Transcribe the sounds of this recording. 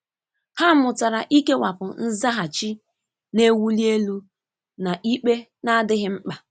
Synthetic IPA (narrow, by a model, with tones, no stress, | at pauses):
ha˦mʊ˨ta˨ɾa˨ʔi˦ke˦wa˨pʊ˨n̩˦za˦ɦa˨t͡ʃi˦ | ne˦wu˦li˦e˦lu˦ | na˨ʔi˦k͡pe˦ | na˦dɪ˦ɦɪ˦ŋ͡m̩˦k͡pa˨